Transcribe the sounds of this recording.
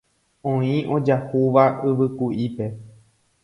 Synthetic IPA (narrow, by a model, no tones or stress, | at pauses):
õĩʔo̞d͡ʒahuʋaɨʋɨkuʔipe̞